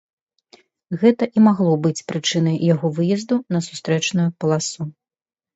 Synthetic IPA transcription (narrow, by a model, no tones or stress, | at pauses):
ɣɛt̪ɐʔimaɣlˠɔbɨt͡sʲpɾɨt͡ʂɨn̪ɐjjaɣɔvɨjɛzd̪unɐsu̥st̪ɾɛt͡ʂnujupɐlˠasu